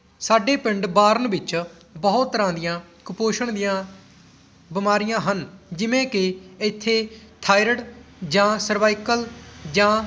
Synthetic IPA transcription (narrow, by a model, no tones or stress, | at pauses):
saːɖeːpɪɳɖbaːɾənbɪt͡ʃ | bəɦʊt̪ːəɾãːd̪ɪjãː | kʊpoːʃəɳd̪ɪjãː | bɪmaːɾɪjãːɦənd͡ʒɪʋẽːkɪɪt̪ʰːeːt̪ʰaːɪɾəɽd͡ʒãːsəɾʋaːɪkəld͡ʒãː